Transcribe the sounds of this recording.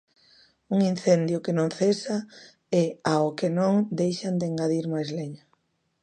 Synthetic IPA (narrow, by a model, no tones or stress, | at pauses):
uŋin̟θend̪jʊkɪnõŋθesa | ɛaokenõŋd̪ejʃand̪eŋɡaðiɾmajzleɲʊ